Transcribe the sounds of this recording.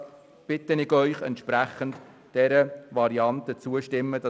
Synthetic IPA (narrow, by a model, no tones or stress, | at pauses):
b̥ɪtənɪɡœʏχɛ̰nt̪ʃpɾæχənt | d̥ɛɾəvɑɾiɑntət͡suəʃtɪmːəd̥ɑ